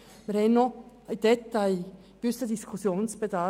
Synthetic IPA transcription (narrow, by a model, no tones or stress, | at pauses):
mɪɾhɛɪnno | aɪd̥ɛt̪aɪ | ɡ̥ʏsəd̪iskʰusjoːnsb̥ed̪ɑ